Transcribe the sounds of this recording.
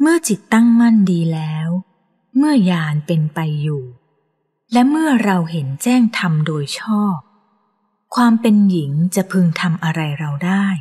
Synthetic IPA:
mɯ˥˩ɐt͡ɕi˨˩t̪ːa˥˩ŋma˥˩ndiː˧lɛː˦˥w | mɯ˥˩ɐjaː˧npe˧npa˧jːuː˨˩ | lɛ˦˥mɯ˥˩ɐɾa˧wɦe˩˦nt͡ɕɛː˥˩ŋt̪ʰa˧mdoː˧jt͡ɕʰɔː˥˩p̚ | kʰwaː˧mpe˧nji˩˦ŋt͡ɕa˨˩ʔpʰɯ˧ŋt̪ʰa˧mʔa˧ɾa˧jɾa˧wdaː˥˩j

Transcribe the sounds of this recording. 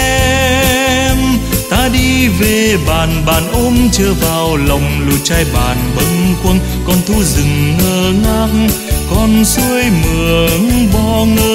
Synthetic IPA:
ɛ | mt̪aː˧˥ɗi˧ve˨˩ɓaː˨˩nɓaː˨˩nʔo˧mt͡ɕəː˧vaː˨˩wlə˨˩wŋ͡mlṵ˧˩t͡ɕaː˧jɓa̰ː˨˩nɓə˨˧˦ŋxkwə˧n | kɔ˧nt̪ʰu˧˦zɨ˨˩ŋːəː˧˩ŋa˧ŋ | kɔ˧nsu˧əjmɨ˨˩əŋɓɔ˧ŋəː˧

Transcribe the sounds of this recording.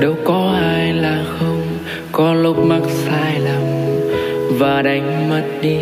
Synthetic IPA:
ɗə˨˦wkɔ˨˦ʔaː˧jlaː˨˩xə˧wŋ͡m | kɔ˨˦lʊ˦˥k͡p̚ma˦˥t̚saː˧jlə˨˩m | vaː˨˩ɗa˨˦jŋ̟mə˦˥t̚ɗi˧

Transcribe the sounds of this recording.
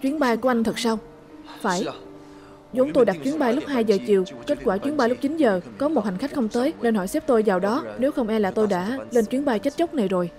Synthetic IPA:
t͡ɕwi˨˦ənɓaː˧jku˧˩əʔa˧ŋ̟t̪ʰɨ˨˩k̚sa˧w | faː˧˩j | zo˨˦nt̪o˧jɗa˨˩t̚t͡ɕwi˨˦nɓaː˧jlʊ˦˥k͡p̚haː˧jzəː˨˩t͡ɕi˨˩əwke˦˥t̚kwaː˧˩t͡ɕwi˨˦ənɓaː˧jlʊ˦˥k͡p̚t͡ɕi˨˦nzəː˨˩kɔ˨˦mo˨˩t̚ha˨˩ŋ̟xa˦˥k̚xə˧ŋ͡mt̪əː˨˦jne˧nhɔ̰˧˩jsɛ˦˥p̚t̪o˧jvaː˨˩wɗɔ˨˦ne˨˦wxə˧wŋ͡mʔɛ˧laː˨˩t̪o˧jɗa̰ː˧˥le˧nt͡ɕwi˨˦ənɓaː˧jt͡ɕə˦˥t̚t͡ɕə˦˥k͡p̚na˨˩jzo˨˩j

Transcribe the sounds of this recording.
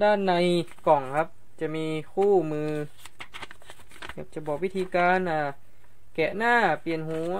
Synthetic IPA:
daː˥˩nːa˧j | kɔ˨˩ŋkʰa˦˥p̚ | t͡ɕa˨˩miː˧kʰuː˥˩mɯː˧ | kʰa˧˥˩t͡ɕa˨˩bɔː˧˩wi˦˥t̪ʰiː˧kaː˧nʔaː˧˩ | kɛ˨˧˩ʔnaː˥˩pi˨ənhuː˨˦

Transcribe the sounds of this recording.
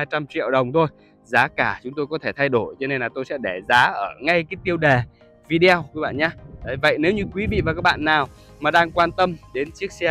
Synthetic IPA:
aː˧t͡ɕa˧mt͡ɕḭ˧˨əwɗə˨˩wŋ͡mt̪ʰo˧j | zaː˨˦kaː˧˩t͡ɕʊ˨˦ŋ͡mt̪o˧jkɔ˨˦t̪ʰe˧˩t̪ʰa˧jɗo˧˩jt͡ɕɔ˧ne˧nlaː˨˩t̪o˧jsɛ̰˧˥ɗe˧˩zaː˨˦ʔəː˧˩ŋa˧jkaː˨˦jt̪i˧əwɗe˨˩ | vi˧ɗi˧a˧wkwɓa̰ː˧˨nɲaː˧ɗa˨˩və̰˧˨jne˨˦wɲɨ˧kwi˨˦vḭ˧˨vaː˨˩kaː˦˥k̚ɓa̰ː˧˨nːaː˨˩w | maː˨˩ɗaː˧ŋkwaː˧nt̪ə˧mɗe˨˦nt͡ɕi˦˥ək̚sɛ˧

